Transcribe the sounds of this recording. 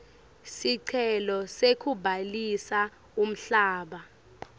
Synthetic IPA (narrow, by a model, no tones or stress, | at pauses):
siǀʰɛlɔsekʰubʱalisa | um̩ɬaːɓa